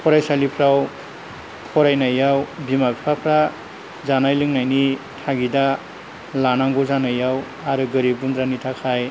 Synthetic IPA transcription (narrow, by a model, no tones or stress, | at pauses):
pʰɔɾajsalipʰɾaw | pʰɔɾajnajawbimabipʰapʰɾa | zanajlɯŋnajni | tʰaɡida | lanaŋɡɔzanajaw | aɾɯɡɯɾibundɾanitʰakʰaj